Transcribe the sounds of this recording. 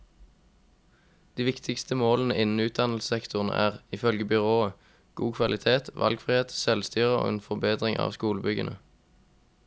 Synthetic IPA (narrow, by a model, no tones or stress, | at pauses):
d̪̥iːʋɪkt̪ʰɪkst̪əmoːln̩əɪnn̩ʉːt̪̚d̪ɑnlssɛkt̪ʊʁnə̰ʔæːʁɪfœlɡəbʏʁoːə | ɡ̥uːkʰʋɑlɪt̪ʰeːt̪ʋʔɑ̰lɡfʁɪheːt̪sɛlst̪yːʁəo̰ːḛːnfɔʁbeːd̪ʁɪŋʔɑ̰ːʋskuːləbʏɡə̰nə